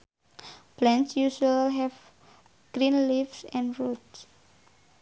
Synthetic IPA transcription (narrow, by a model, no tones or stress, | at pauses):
b̥lɛ̃nsjuʃalɦɛv | ɡ̥ɾĩnlifsɛ̃nɹods